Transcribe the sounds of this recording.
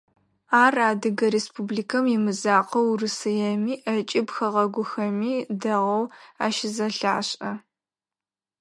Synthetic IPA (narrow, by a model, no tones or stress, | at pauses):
aːraːdɨɡɐɾeːspubliːkʰɐmjɪmɨzaːqʰɐwrɨsɨjɛmiːʔɐt͡ʃʼɪbxɐʁɐɡʷʊxɐmiːdɐʁɐwa̰ːʃɪzɐɬaːɕʼɐ